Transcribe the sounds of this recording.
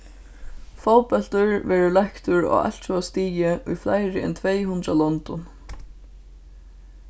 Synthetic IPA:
fɔwpɛl̥t̪ʏɹvɛːɾʊlahkt̪ʊɹɔ̰a̰l̥t̪sɔast̪iːjɪʔujflajɾɪɛ̰nt̪ʰvɛjɦunt̪ɾalɔnt̪ʊn

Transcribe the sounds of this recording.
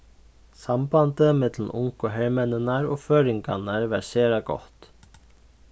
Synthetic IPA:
sambant̪əmɛt̪lmʔʊŋkɔɦɛɾmɛnənaɾɔːføːɾɪŋka̰naɹʋɑɾseːɾaɡɔ̰ht̪

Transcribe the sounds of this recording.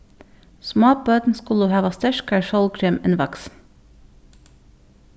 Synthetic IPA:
smoːbøːd̪n̩skʊluhɑːʋɑst̪æʃkæːɹʃɔlkʰɾeːmḛːnʋɑks

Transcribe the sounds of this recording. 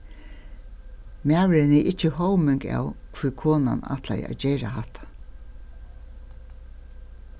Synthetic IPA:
maːʋɪɾɪnijʔɪt͡ɕːəhɔwmɪŋka̰ːwkʰʋikʰoːnana̰t̪ʰla̰ja̰ːd͡ʑɛːɾa̰ɦat̪ʰḁ

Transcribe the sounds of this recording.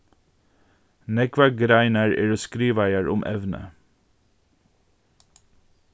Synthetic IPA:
nɛɡʋæɡɾæɪnəɹeːɹoskɾiːʋæɪəɹʔʊmʔɛ̰ʋnə̰

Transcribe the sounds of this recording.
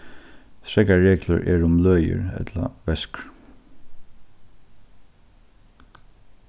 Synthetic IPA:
sɾɛkaɹeːkləɹʔɛ̰ɹʊmlœːjə̰ɹɛ̰t̪la̰ʋɛskɹ

